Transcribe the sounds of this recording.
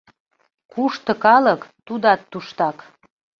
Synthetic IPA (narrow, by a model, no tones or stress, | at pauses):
kuʃt̪ə̆kɑləkt̪ud̪ɑt̪ːuʃt̪ɑk